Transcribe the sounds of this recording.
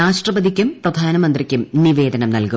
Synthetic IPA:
aːʂʈrɐbɐðikʲːumprɐd̪ʱaːnɐmɐnd̪rikʲːumniʋe̞ːd̪ɐnɐmnɐlku

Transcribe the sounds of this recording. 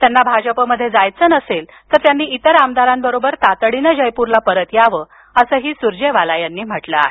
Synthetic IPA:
t̪janːabʱad͡ʑəpəməd̪ʱːjed͡zajt͡sənəsel | t̪əɾt̪janːiːit̪əɾamd̪aɾambəɾobəɾt̪at̪əɽinəd͡ʑəjpuɾlapəɾət̪jaʋə | əsəɦiːsuɾd͡ʑeʋalajanːiːm̤əʈləa̰ɦe

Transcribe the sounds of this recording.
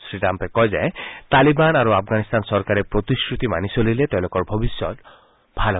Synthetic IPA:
sɾiʈampekɔjzajt̪alibanaɾuapʰɡanist̪ansɔɾkaɾepɾot̪iskɹut̪imanisolilet̪eʊ̃lokɔɹbʱɔbisjɔt̪ | bʱal

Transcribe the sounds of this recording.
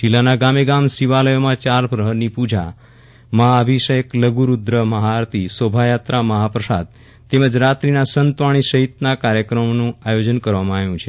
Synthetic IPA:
d͡ʒilːanaɡameɡamsiʋaləjomãt͡ʃaɾbʱɾəɦənipud͡ʒa̰ | məɦaəbʱiʃəjəkləɡuɾud̪ɾəməɦaɾt̪isobʱajat̪ɾaməɦapɾəsa̰d̪̚ | t̪eməd͡ʒɾat̪ɾinasənt̪ʋaɽ̃iʃəɦit̪nakaɾjəkɾəmnũajod͡ʒənkəɾʋamãaʋjũt͡ʃʰe

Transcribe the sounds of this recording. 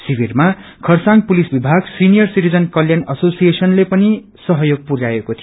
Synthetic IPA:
sibirma | kʰʌrsãŋɡ̚pulisbibʱaɡsinijʌrsiɾid͡zʌnkʌljanʌsosijesʌnlepʌni | sʌɦʌjoɡ̚puɾajekot̪ʰi

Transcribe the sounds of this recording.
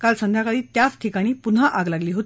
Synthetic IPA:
kalsənd̪ʱjakəd̪iːt̪jat͡st̪ʰikaɽ̃iːpun̤aʔaɡlaɡliːɦot̪ː

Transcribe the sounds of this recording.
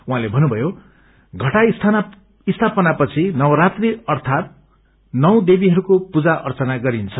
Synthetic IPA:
uɦãlebʱʌnubʱʌjo | ɡʱʌʈaist̪ʰa | ist̪ʰapʌnapʌt͡sʰinʌwʌɾat̪riʌrt̪ʰat̪̚ | nʌw̃d̪ebiɦʌɾukopud͡zaʔʌrt͡sʌnaɡʌɾint͡sʰʌ

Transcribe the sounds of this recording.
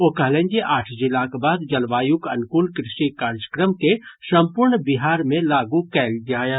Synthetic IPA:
okɐɦlẽːɲd͡ʒeʔaːʈʰd͡ʒɪlaːkbaːd̪d͡ʒɐlʋaːjukɐ̰nkulkɾɪʃikaːɾd͡ʒəkɾəmkesɐ̃mpʊɾɳbɪɦaːɾmẽlaːɡukɛːld͡ʒaːjaː

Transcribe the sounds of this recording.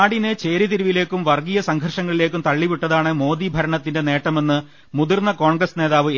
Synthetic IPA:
aːɽinet͡ɕe̞ːɾiðiɾuʋile̞ːkːumʋɐrɡijɐsɐŋɡʱɐrʂɐŋːɐɭile̞ːkːumt̪ɐɭːiʋiʈːɐðaːɳɨmo̞ːd̪ibʱɐɾɐɳɐt̪ːinde̞ne̞ːʈːɐme̞nːɨ | muðurnːɐko̞ːɳɡɾɐsne̞ːðaːʋɨ

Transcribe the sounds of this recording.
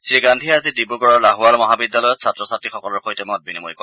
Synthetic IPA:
seɡandʱiazidibuɡɔɹɔɹlaɦualmɔɦabidːalɔjɔtsʰatɹɔsatɹixɔkɔlɔɹxojtɛmɔt̚binimojkɔ

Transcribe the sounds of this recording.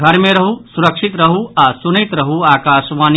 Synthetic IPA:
ɡʱɐɾmẽɾɐɦusuɾəkʂit̪ɾɐɦuasunit̪ɾɐɦuaːkaːʃʋaːn

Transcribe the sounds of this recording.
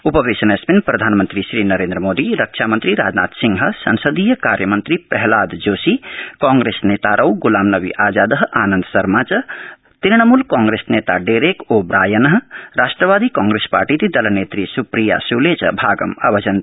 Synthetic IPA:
upəbesənesbinpɾɐd̪ʱaːnmənt̪ɾisɾinəɾẽnd̪ɾəmod̪iɾəkt͡ʃʰamənt̪ɾiɾa̰ːd͡ʒna̰ːt̪siŋɡɦəsə̰nsəd̪ijəkaɾjəmənt̪ɾipəɦlaːd̪d͡ʒosikɔ̃ŋɡɾesnet̪aɾʔəwɡulaːmnəbḭʔaːd͡ʒad̪əɦaːnənd̪sɐɾmat͡ʃ | t̪iɾɳəmulkãŋɡɾesnet̪aɖeɾekobɾaːjənɦɾasʈɾəβad̪ikãŋɡɾespa̰ɾʈit̪id̪ɐlənet̪ɾisupɾija̰sulet͡ʃbʱaːɡə̰ma̰bʱəd͡ʒən

